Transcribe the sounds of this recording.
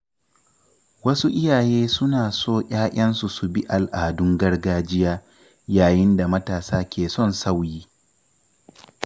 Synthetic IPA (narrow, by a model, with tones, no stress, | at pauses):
wɐ˦su˦ʔɪ˦jaː˨jeː˦sʊ˦naː˨soː˦˨ʔʲʼaː˦ʔʲʼɐ˦nsu˨su˨bi˦ʔa˨lʔaː˨dʊ˦ŋɡɐ˦rɡaː˦d͡ʒɪ˦jaː˦ | jaː˨jɪ˦nda˨mɐ˦taː˨saː˦kʲeː˨sɔ˦˨nsa˦wjiː˦